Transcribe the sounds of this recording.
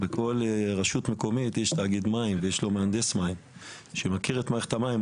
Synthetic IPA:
bekʰo̞leʁaʃut̪me̞ko̞mit̪jeʃtaːɡid̪maimvejeʃlo̞meand̪esmaimʃemakiʁet̪maeχt̪amaim

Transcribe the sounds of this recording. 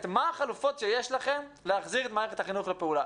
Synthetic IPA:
tmaːχalufotʃejeʃlaχe̞m | leaχziʁet̪maːʁeet̪haχinuχlepeula

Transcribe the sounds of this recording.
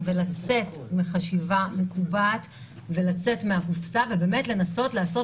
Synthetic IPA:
ve̞lat͡se̞tmiχaʃivamekubat | ve̞lat͡se̞tmeakufsave̞be̞ːme̞tle̞naso̞tlaːso̞

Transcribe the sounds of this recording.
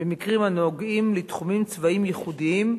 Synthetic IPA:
bemikʁimanoɡimlit̪χumimt͡svaimjeχud̪iim

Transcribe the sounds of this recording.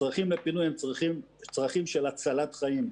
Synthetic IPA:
t͡sʁiχimlepinujhemχimt͡sʁaχimʃelat͡salat̪χaim

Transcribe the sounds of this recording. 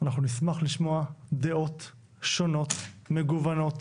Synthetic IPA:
anaχnunismaχliʃmo̞ad̪eo̞t̪ | ʃo̞no̞t̪me̞ɡuvano̞t̪

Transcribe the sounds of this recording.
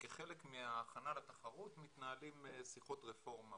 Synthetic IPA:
keχelekmiaːχanalat̪aχaʁut̪mit̪naːlimsiχo̞t̪ʁefo̞ʁma

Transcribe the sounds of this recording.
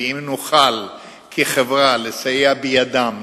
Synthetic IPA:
imnuχal | kʰiχevʁalesajeabejad̪am

